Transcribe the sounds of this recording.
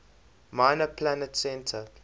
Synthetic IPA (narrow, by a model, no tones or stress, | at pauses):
maɪnəpʰlanətsɛ̃ntʰə